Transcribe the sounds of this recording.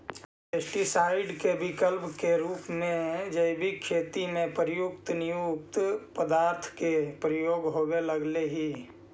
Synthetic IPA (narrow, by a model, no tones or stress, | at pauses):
pesʈisaːɪɖkebɪkəlpkeɾuːpmẽɦd͡ʒəɪbʱikʰeːt̪imẽpəɾjʊkt̪nɪjʊk̚t̪pəd̪aːɾt̪ʰkepɾəjoːɡɦoɡeləɡleɦi